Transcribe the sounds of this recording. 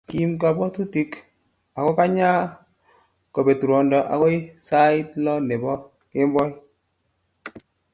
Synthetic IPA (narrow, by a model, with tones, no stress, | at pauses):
ki˦mk̬a˨bɔ˦tu˦ti˦k | a˨kɔ˦ka˦ɲa˦ | kɔ˨be˨tu˨ɾɔ˨ndɔ˨ʔa̰˨kɔ˦i˦sa˦ɪ˦tlɔ˦ne˨bɔ˦ | kɪ˦mbɔ˦j